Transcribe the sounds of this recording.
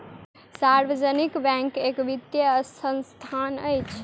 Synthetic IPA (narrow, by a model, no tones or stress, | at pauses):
saɾʋəd͡ʒənikbɛ̃ŋkekʋit̪jəsʰənst̪ʰanəjt͡ʃʰ